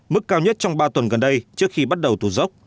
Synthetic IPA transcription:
mɨ˦˥kːaː˧wɲə˦˥t̚t͡ɕɔ˧wŋ͡mɓaː˧t̪wə˨˩nɣə˨˩nɗə˧jt͡ɕɨ˦˥ək̚xi˧ɓa˦˥t̚ɗə˨˩wt̪ʰṵ˧˩zə˦˥wk͡p̚

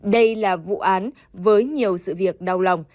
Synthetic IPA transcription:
ɗə˧jlaː˨˩vṵ˧˨ʔaː˨˦n | vəː˨˦jɲi˨˩əwsɨ̰˧˨vi˨˩ək̚ɗa˨˩wla˨˩wŋ͡m

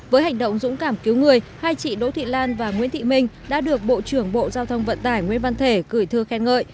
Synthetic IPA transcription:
vəː˨˦jha˨˩jŋ̟ɗə̰˧˨wŋ͡mzʊ̰˧˥ŋ͡mkaː˧˩mki˨˦wŋɨ˨˩əjhaː˧jt͡ɕḭ˧˨ɗo̰˧˥t̪ʰḭ˧˨laː˧nvaː˨˩ŋwḭ˥nt̪ʰḭ˧˨mï˧˩ŋ̟ɗa̰ː˧˥ɗɨ˨˩ək̚ɓo̰˧˨t͡ɕɨ˧˩əŋɓo̰˧˨zaː˧wt̪ʰə˧wŋ͡mvə̰˧˨nt̪aː˧˩jŋwḭ˧˥ənva˧nt̪ʰe˧˩kɨ˧˩jt̪ʰɨ˧əxɛ˧nŋə̰ː˧˨j

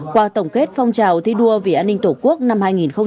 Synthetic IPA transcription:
kwaː˧˩t̪ə˧˩wŋ͡mke˦˥t̚fa˧wŋ͡mt͡ɕaː˨˩wt̪ʰi˧ɗu˧əvi˨˩ʔaː˧nːï˧ŋ̟t̪o˧˩ku˦˥ək̚na˧mhaː˧jŋi˨˩nxə˧ŋ͡m

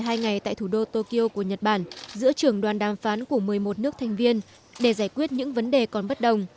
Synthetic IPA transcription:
ɦaː˧jŋa˨˩jt̪a̰ː˧˨jt̪ʰu˧˩ɗo˧t̪o˧ki˧ʔo˧ku˧˩əɲə˨˩t̚ɓaː˧˩nzɨ̰˧˥ət͡ɕɨ˧˩əŋɗwaː˨˩nɗaː˨˩mfaː˨˦nku˧˩əmɨ˨˩əjmo˨˩t̚nɨ˦˥ək̚t̪ʰa˨˩jŋ̟vi˧ən | ɗe˧˩zaː˧˩jkwi˦˥ət̚ɲɨ̰˧˥ŋvə˨˦nɗe˨˩kɔ˨˩nɓə˦˥t̚ɗə˨˩wŋ͡m

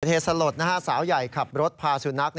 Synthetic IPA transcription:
t̪̚ʰheː˨˩t̪̚sa˧lo˨˩t̪̚na˦˧˩aː˥˩saː˩˦wja˨˩jkʰa˨˩p̚ɾo˦˥t̪̚pʰaː˧su˨˩˦na˦˥k̚n

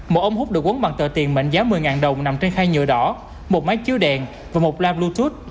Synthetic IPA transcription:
mo˨˩ʔə˧wŋ͡mhʊ˦˥k͡p̚ɗɨ˨˩ək̚u˨˦ŋɓa˨˩ŋt̪ə̰ː˧˨˩t̪i˨˩ənmə̰˧˨ŋzaː˨˦mɨ˨˩əjŋaː˨˩nɗə˨˩wŋ͡mna˨˩mt͡ɕe˧nxaː˧jɲɨ̰˧˨ɗɔ˧˦ | mo˨˩t̚ma˨˦jt͡ɕi˧əwɗɛ˨˩ŋ | vaː˨˩mo˨˩t̚laː˧blu˧t̪u˦˥t̚

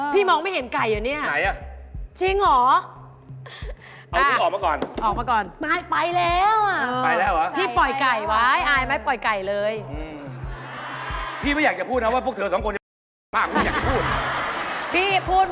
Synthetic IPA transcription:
pʰiː˥˩mɔː˧ŋma˥˩jɦe˩˦nka˨˩jːa˨˩ni˥˩ɐna˨˦jʔa˧˩t͡ɕʰi˧ŋlɔː˩˦ | a˧w̪ʰɯː˥˩ɔː˨˩k̚maː˧˥˩kɔː˨˩nʔɔː˨˩k̚maː˧˩kɔː˨˩na˧pa˧jlɛː˦˥wa˨˩ʔːa˧jlɛː˦˥˩wʔa˦˥ʔʰiː˥˩pɔ˨˩jka˨˩jwa˦˥jʔaː˨˩jma˦˥˩pɔ˨˩jka˨˩jlɤː˧jɯ˧ | pʰiː˥˩ma˥˩jaː˨˩k̚t͡ɕa˨˩pʰuː˥˩t̪̚n˦˥˩waː˥˩pu˥˩əkt̪ʰɤː˧sɔ˨˩˦mkʰu˧nt͡ɕa˨˩ | maː˥˩k̚ʰːa˨˩t͡ɕa˨˩pʰuː˥˩t̪̚ | pʰiː˥˩pʰuː˥˩t̪̚

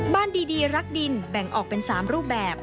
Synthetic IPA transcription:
baː˥˩ndiː˧diː˧ɾa˦˥k̚di˧nbɛ˨˩ŋʔɔː˨˩k̚pe˧nsaː˩˦mɾuː˥˩p̬̚bɛː˨˩p̚

